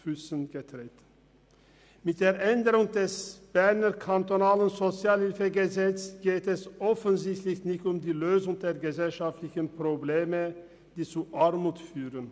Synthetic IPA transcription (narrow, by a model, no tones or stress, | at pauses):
fysənɡ̥ətʁ̥eːt | mɪt̚d̥eːɐʔɛndəʁʊŋdɛsb̥ɛɐnɐkʰantonaːlənzot͡sjaːlhɪlfəɡəzɛt͡sɡ̥eːtɛsʔɔfənzɪçtlɪçnɪçtʊmdiːløːzʊŋd̥eːɐɡəzɛlʃaftlɪçənpʁ̥obleːmə | d̥iːt͡suʔaɐmuːtfyːʁən